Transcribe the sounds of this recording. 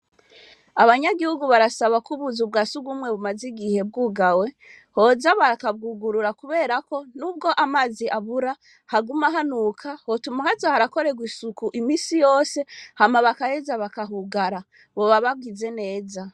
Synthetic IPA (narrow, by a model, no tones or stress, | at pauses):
aβaɲaɡihuɡuβaɾasaβakuβuzubɡasuɡumŋe̞βumaziɡihe̞b̚ɡuːɡawe̞ | ho̞zaβaɾakab̚ɡuɡuɾuɾakuβe̞ːɾako̞nub̚ɡo̞ʔamaziʔaβuɾa | haɡumaɦanuːkʰahotumahazahaɾako̞ɾe̞ɡwisukuʔimiːsijo̞ːse̞hamaβakahezaβakaɦuɡaɾa | βo̞βaβab̚ɡize̞ne̞ːza